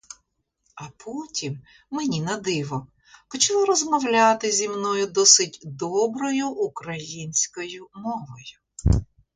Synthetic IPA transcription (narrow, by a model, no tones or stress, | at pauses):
ɐpʰɔtʲim | menʲinɐd̪ɪʋɔ | pɔt͡ʃlˠɔɾɔzmɔwlʲat̪ɪzʲimnɔjʊd̪ɔsɪtʲd̪ɔbɾɔjʊʔukɾɐjinʲsʲkɔjʊmɔʋɔjʊ